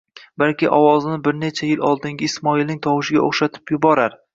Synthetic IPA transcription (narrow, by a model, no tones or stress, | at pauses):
balkʲɪʔɒwɒznɪbɪɾne̞t͡ʃʰajɪlɒlˠd̪ɪŋɡʲɪɪsmɒilnɪŋt̪ʰɒwɪʃɪɡʲa̰oχʃat̪ʰɪ̥pjʊbɒɾaɾ